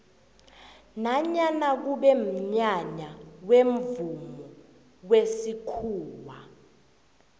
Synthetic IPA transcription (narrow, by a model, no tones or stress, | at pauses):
naɲanak̬uɓɛm̩ɲaɲawemvumɔ | wesikʰuːwa